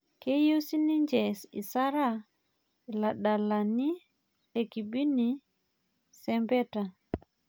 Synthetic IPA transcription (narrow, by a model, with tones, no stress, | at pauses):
ke˦je˦wsi˦ni˦ɲd͡ʒɛ˨sḭ˨sa˦ɾa˦ | i˨la˨ɗa˨la˨ni˦ | e˨ki˨bi˦ni | sɛ˦mbɛ˦ta˨